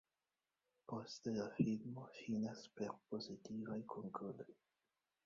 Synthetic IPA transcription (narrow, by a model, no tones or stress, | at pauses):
po̞ste̞lafilmo̞finaspe̞ɾpo̞zitivajkʰoŋkʰolo̞j